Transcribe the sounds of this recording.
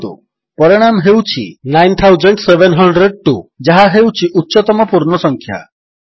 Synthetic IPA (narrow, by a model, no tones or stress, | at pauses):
t̪ṵ | pɔɾɔɽ̃amɦewt͡ʃʰinajnt̪ʰawd͡ʒɔɳʈseʋenɦɔɳɖɾeɖ̚ʈud͡ʒaɦaɦewt͡ʃʰiʔut̪ːʃɔt̪ɔmɔpuɾɳɔsɔŋkʰja̰